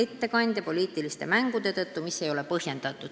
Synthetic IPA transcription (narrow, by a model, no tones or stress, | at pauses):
et̪ːe̞kɑnʲd̪̥ʲɑpo̞liːt̪ːˑilist̪e̞mæŋɡ̥ud̪̥e̞t̪ɤt̪ːumisːe̞jo̞lepɤhje̞nd̪̥ɑt̪ːˑu̥